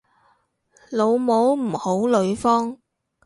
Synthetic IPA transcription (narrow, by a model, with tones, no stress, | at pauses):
lo˨˧wmo˨˥wm̩˨˩ho˨˥wlɵ˨˧ɥfɔː˥ŋ